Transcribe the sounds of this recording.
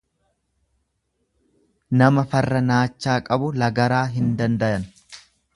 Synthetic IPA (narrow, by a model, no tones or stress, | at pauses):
nɐmɐfɐrːɐnaːt͡ʃːaːkʼɐbʊlɐɡɐɾaːɦɪnd̪ɐnd̪ɐjɐn